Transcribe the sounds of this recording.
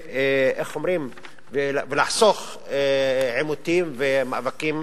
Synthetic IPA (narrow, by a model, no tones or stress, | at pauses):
ʔexomɾim | velvelaħsox | ʕemut̪imvemaʔvakim